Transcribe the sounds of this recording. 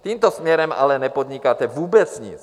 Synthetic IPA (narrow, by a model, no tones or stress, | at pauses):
t̪iːmt̪osmɲɛɾɛma̰lɛnɛpod̪ɲikaːt̪ɛvuːbɛt͡sɲḭt͡s